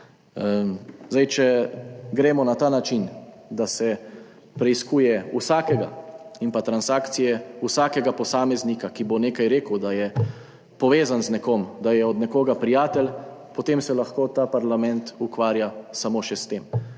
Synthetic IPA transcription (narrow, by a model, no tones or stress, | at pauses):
zd̪ajt͡ʃɛɡɾɛːmɔnat̪aːnat͡ʃin | d̪asɛ | pɾɛiskuːjɛusaːkɛɡainpat̪ɾansaːkt̪sijɛusaːkɛɡapɔsaːmɛznikakiboneːkajɾeːkəwd̪ajɛ | pɔʋeːzanznɛkoːmd̪ajɛɔd̪nɛkoːɡapɾijaːt̪ɛl | pɔt̪emsɛlaxkoːt̪aːpaɾlamɛ̃nt̪ukʋaːɾjasamoʃɛst̪eːm